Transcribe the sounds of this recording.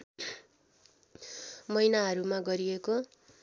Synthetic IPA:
mʌjnaɦʌɾumaɡʌɾieko

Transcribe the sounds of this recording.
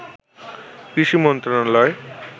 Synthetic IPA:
kɾiʃimɔnt̪ɾanalɔe

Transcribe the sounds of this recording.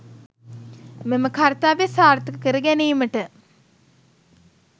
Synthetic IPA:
meməkʰaɾt̪aːʋesaːɾt̪əkəkəɾəɡæniːməʈə

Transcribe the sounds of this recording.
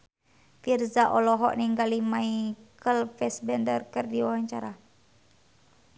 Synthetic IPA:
firzaʔɔlɔɦɔ̰ʔniŋɡalimaikəlfɛsbɛndərkɨrdiwawaɲt͡ʃaɾa

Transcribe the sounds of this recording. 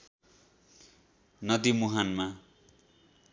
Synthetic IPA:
nʌd̪imuɦanma

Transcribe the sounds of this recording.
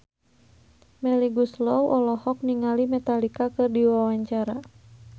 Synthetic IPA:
mɛliɡuslɔwʔɔlɔhɔk̚niŋalimɛt̪alikakɨrdiwawaɲt͡ʃaɾa

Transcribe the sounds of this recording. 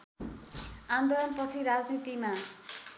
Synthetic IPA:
and̪olɔnpʌt͡sʰiɾad͡znit̪ima

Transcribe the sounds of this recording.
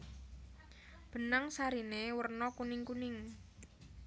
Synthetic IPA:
b̥ə̤nəŋsaɾinewərnɔkunɪŋkunɪŋ

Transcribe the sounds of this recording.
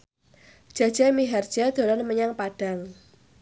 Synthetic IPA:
ʒ̥a̤d̥d͡ʒ̥amiɦard̥d͡ʒ̥ad̪̥o̤lanməɲaŋpaɖ̥a̤ŋ

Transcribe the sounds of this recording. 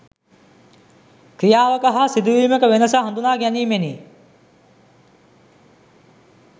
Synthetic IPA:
kɾijaːʋəkəɦasid̪uʋiːməkəʋenəsaɦand̪unaːɡæniːmeni

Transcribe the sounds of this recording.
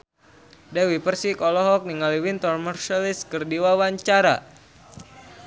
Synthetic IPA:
dɛwipərsikɔlɔɦɔk̚niŋaliwint̪ɔrmərʃaliskərdiwawaɲt͡ʃaɾa̰

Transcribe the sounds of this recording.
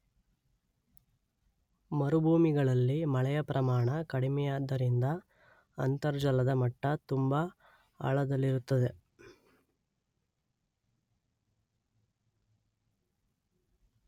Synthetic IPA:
mɐɾubʱuːmiɡɐɭɐlːimɐɭɛjɐpɾɐmaːɳɐkɐɽimɛjaːd̪ːɐɾind̪ɐː | nt̪ɐɾd͡ʒɐlɐd̪ɐmɐʈːɐt̪umbɐ | a̰ɭɐd̪ɐlːiɾut̪ːɐd̪e̞

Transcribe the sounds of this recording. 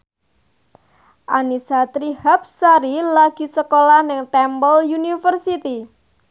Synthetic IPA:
ʔanisat̪ɾihap̚saɾilaɡ̥i̤səkolahnɪŋt̪ɛmbɔljunifərsit̪i

